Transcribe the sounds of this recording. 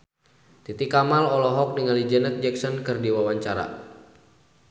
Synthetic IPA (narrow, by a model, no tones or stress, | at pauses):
t̪it̪ikamalɔlɔɦɔk̚niŋalid͡ʒənɛt̪̚d͡ʒɛksɔnkɨrdiwawaɲt͡ʃaɾa̰